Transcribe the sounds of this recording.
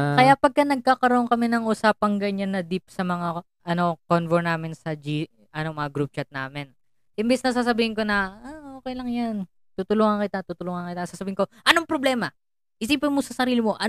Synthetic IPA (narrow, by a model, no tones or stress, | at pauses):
kɐjapɐɡ̚kɐnɐɡ̚kaːkɐɾoʔoŋkɐmɛnɐŋʔʊsaːpɐŋɡɐɲanːɐd̪ip̚sɐmɐŋa | ʔɐno̞konvɛɹnaːmɪnsɐd͡ʒi | ʔɐno̞mɐŋaɡɾup̚t͡ʃat̪̚na̰ːmɪn | ʔɪmbɛsnɐsas̬ɐbiːhɪŋko̞nɐaʔokɛjlɐŋjan | t̪uːt̪ʊloŋɐŋkɪt̪at̪uːt̪ʊloŋɐŋkɪt̪asaːsɐbiːhɪŋko̞ʔɐno̞ŋpɾoblɛːmɐ | ʔɪsiːpɪnmosɐsɐɾiːlɪmo̞ʔɐ